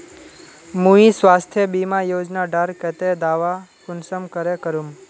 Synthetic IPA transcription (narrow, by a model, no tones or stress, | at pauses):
mũĩsʋast̪ʰjəbimãjod͡ʒnaɖaɾkɛt̪ed̪aʋakʊnsəmkəɾekəɾum